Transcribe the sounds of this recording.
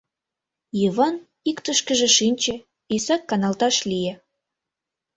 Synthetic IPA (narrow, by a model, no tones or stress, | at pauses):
jiβɑn | ikt̪əʃkə̆ʒĕʃinʲt͡ɕĕ | isɑkːɑnɑlt̪ɑʃlije